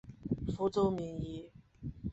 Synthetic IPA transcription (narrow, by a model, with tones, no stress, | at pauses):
fu˧˥t͡so˥ʊmi˧˥ŋi˧˥˦